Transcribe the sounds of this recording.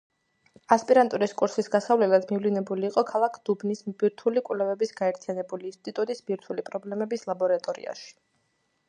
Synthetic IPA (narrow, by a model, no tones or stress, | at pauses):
aspʼiɾant̪ʼuɾiskʼuɾsisɡasavlɛlad̪mivlinɛbuliːqʼɔkʰalˠakʰd̪̥ubnismbiɾt̪ʰulikʼvlɛvɛbisɡ̥aɛɾt̪ʰijanɛbuliːnst̪ʼit̪ʼut̪ʼisbiɾt̪ʰulipʼɾɔblɛmɛbislˠabɔɾat̪ʼɔɾḭa̰ʃi̥